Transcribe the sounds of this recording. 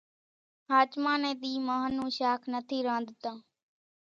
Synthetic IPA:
ɦaːt͡ʃmãːnẽːɗ̪iːmaːɦənũːʃaːkʰnət̪ʰiːɾãːnd̪t̪ãː

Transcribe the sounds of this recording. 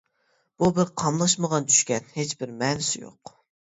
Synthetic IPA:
b̥ubɪɾqʰɑmlˠɑʃməʁɑnt͡ʃʰy̥ʃkʲɛnhet͡ʃbɪɾmɛːnɪsɪjo̰q

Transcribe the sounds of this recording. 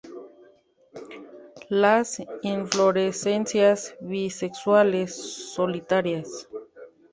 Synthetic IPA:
lasiɱfloɾesensjasβisekswalesːolit̪aɾjas

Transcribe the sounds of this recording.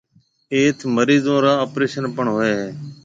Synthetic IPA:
eːt̪ʰməɾiːzõːɾaːoːpɾeːʃənpəɳɦoːeːɦeː

